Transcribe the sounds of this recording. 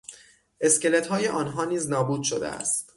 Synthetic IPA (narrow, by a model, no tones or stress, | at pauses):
ʔe̞scʲele̞t̪hɒːje̞ʔɒːnɦɒːniːznɒːbuːd̪̥ʃod̪ḛʔæ̰st̪